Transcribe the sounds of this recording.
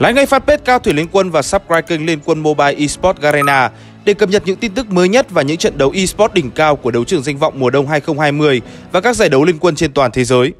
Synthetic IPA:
la̰ː˧˥jŋa˧jfaː˦˥t̚pe˦˥t̚kaː˧wt̪ʰwi˧˩li˧ənkwə˧nvaː˨˩saː˦˥p̚kɹaː˧kï˧ŋ̟li˧ənkwə˧nmo˧ɓaː˧jʔi˧spɔ˦˥t̚ɣaː˧ɾe˧naː˧ | ɗe˨˧˩kə˨˩p̚ɲə˨˩t̚ɲɨ̰˧˥ŋt̪i˧nt̪ɨ˦˥k̚məː˨˦jɲə˦˥t̚vaː˨˩ɲɨ̰˧˥ŋt͡ɕə̰˧˨nɗə˨˦wʔi˧spɔ˦˥t̚ɗï˨˩ŋ̟kaː˧wku˧˩əɗə˨˦wt͡ɕɨ˧˩əŋza˧ŋ̟vɔ̰˧˨wŋ͡mmu˨˩əɗə˧wŋ͡mɦaː˧jxə˧wŋ͡mhaː˧jmɨ˧əj | vaː˨˩kaː˦˥k̚zaː˧˩jɗə˨˦wli˧nkwə˧nt͡ɕe˧nt̪waː˨˩nt̪ʰe˨˦zəː˨˦j

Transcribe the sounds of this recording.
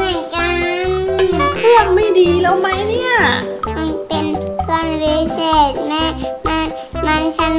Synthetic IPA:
ɯ˧˩nka˧npʰu˥˩ək̚ma˥˩jdiː˨˩la˦˥wma˦˥jni˥˩ɐɯ˧˩pe˧nsɔ˧nwi˧˥seː˧˩t̪̚ma˧˥˩ma˧˥ | ma˧˥˩nt͡ɕʰa˦˥n

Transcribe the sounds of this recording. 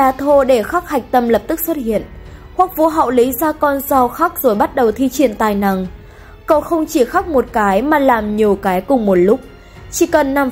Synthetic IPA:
aː˧˩t̪ʰo˧ɗe˧˩xa˦˥k̚ha˨˩jk̟̚t̪ə˧mlə˨˩p̚t̪ɨ˦˥k̚swə˦˥t̚hḭ˧˨ənxwa˨˦˥k̚vu˧˦ɦa̰˧˨wli˨˦zaː˧kɔ˧nza˧wxa˦˥k̚z̥o˨˩jɓa˦˥t̚ɗə˨˩wt̪ʰi˧t͡ɕi˧˩˨ənt̪aː˨˩jna̰˨˩ŋ | kə˧˩wxə˧wŋ͡mt͡ɕi˧˩xa˦˥k̚mo˨˩t̚kaː˨˦jmaː˨˩laː˨˩mɲi˨˩əwkaː˨˦jkʊ˨˩ŋ͡mmo˨˩t̚lʊ˦˥k͡p̚ | t͡ɕi˧˩kə˨˩nːa˧˩m

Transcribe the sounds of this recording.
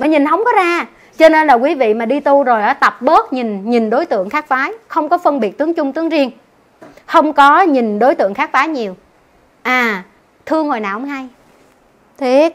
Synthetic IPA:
maː˨˩ɲi˨˩nɦə˧wŋ͡mkɔ˨˦zaː˧ | t͡ɕɔ˧ne˧nlaː˨˩kwi˨˦vḭ˧˨maː˨˩ɗi˧t̪u˧zo˨˩jʔaː˨˦t̪ə˨˩p̚ɓəː˦˥t̚ɲi˨˩nɲi˨˩nɗo˨˦jt̪ɨ̰˧˨əŋxaː˦˥k̚faː˨˦jxə˧wŋ͡mkɔ˨˦fə˧nɓi˨˩ət̚t̪ɨ˨˦əŋt͡ɕʊ˧ŋ͡mt̪ɨ˨˦əŋzi˧əŋ | xə˧wŋ͡mkɔ˨˦ɲi˨˩nɗo˨˦jt̪ɨ̰˧˨ŋxaː˦˥k̚faː˨˦jɲi˨˩əw | ʔaː˨˩ | t̪ʰɨ˧əŋːo˨˩jnaː˨˩whʊ˧˦ŋ͡mɦa˧j | t̪ʰwi˦t̚

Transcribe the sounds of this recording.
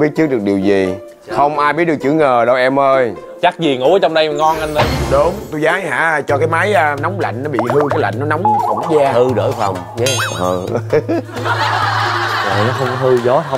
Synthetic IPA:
ɓi˦˥ət̚t͡ɕɨ˦˥k̚ɗɨ˨˩k̚ɗi˨˩əwzi˨˩ | xə˧wŋ͡mʔaː˧jɓi˦˥t̚ɗkt͡ɕɨ˧˩əŋəː˨˩ɗə˧wʔɛ˧mʔəː˧j | t͡ɕa˦˥k̚zi˨˩ŋṵ˧˥a˨˦t͡ɕɔ˧wŋ͡mɗə˧jŋɔ˧nʔa˧nɗə˨˦ɗu˨˦ŋ͡mt̪u˧jzaː˨˦ŋha̰ː˧˨t͡ɕɔ˧kaː˨˦jma˨˦jːna˨˦wŋ͡mla̰˧˨jŋ̟nɔ˨˦ɓḭ˧˨mɨ˧kaː˦jla̰˧˨jŋ̟nɔ˨˦na˨˦wŋ͡mxʊ̰˧˩˦ŋ͡mzaː˧hɨ˧ɗə̰ː˧˩jfə̰˨˩wŋ͡mə˨˩ | za̰˨˩nɔ˨˦xə˧ŋ͡mkɔ˨˦hɨ˧zɔ˨˦t̪ʰə˧wŋ͡m

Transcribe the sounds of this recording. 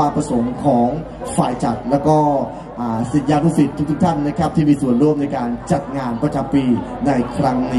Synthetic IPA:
aː˧pɾa˧so˩˦ŋkʰɔː˩˦ŋ | fa̰ː˨˩jt͡ɕa˨˩t̪̚lɛː˦˥wkɔː˥˩ | ʔaː˨˩si˨˩˦njaː˧luː˥˩si˨˩t̪ʰːu˥kt̪ʰu˥kt̪ʰa˥˩nːa˦˥kʰa˦˥p̚t̪ʰiː˥˩miː˧su˨˩ənɾu˥˩əmna˧jkaː˧nt͡ɕa˨˩t̪̚ŋaː˧npɾa˧t͡ɕa˨˧mpiː˧na˧jkʰɾa˦˥ŋniː˦˥

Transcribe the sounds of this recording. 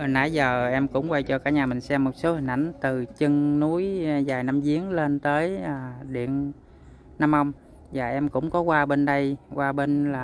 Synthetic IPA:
ʔə˨˩na̰ː˧˩˦jzəː˨˩ʔɛ˧mkʊ̰˧˥ŋ͡mkwa˧jt͡ɕɔ˧kaː˧˩ɲaː˨˩mï˨˩ŋ̟sɛ˧mːo˨˩t̚so˨˦hï˨˩ŋ̟ʔa˧˩jŋ̟t̪ɨ˨˩t͡ɕɨ˧ŋnu˨˦jzaː˨˩jna˧mzi˨˦əŋle˧nt̪əː˨˦jaː˨˩ɗḭ˧˨ənː | a˧mʔə˧wŋ͡m | zaː˨˩ʔɛ˧mkʊ̰˧˥wŋ͡mkɔ˨˦kwaː˧ɓe˧nɗə˧jkwaː˧ɓe˧nlaː˨˩

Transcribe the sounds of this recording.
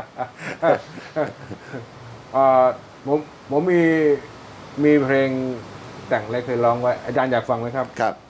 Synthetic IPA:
ʔaː˨˩ | pʰo˩˦m | pʰo˩˦mːiː˧ | miː˧pʰɾeː˧ŋt̪ɛ˨˩ŋla˦˥jkʰɤː˧jlɔː˦˥ŋwa˦˥jʔaː˧t͡ɕaː˧njaː˨˩k̚fa˧ŋma˦˥jkʰɾa˦˥p̚kʰa˦˥p̚

